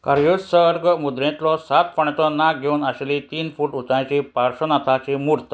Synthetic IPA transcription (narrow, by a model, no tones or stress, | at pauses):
kaɾjusəɾɡmud̪ɾẽt̪lɔsat̪fəɳet̪ɔnak̚ɡʱeunaɕelit̪iːnfuːʈut͡sãjt͡ɕipaɾɕənat̪ʰat͡ɕimuɾt̪ə